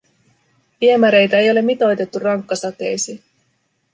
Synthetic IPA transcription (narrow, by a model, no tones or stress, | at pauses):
piemæɾe̞jt̪æe̞jo̞le̞mːit̪o̞jt̪e̞t̪ːurɑŋkːɑsɑt̪e̞jsi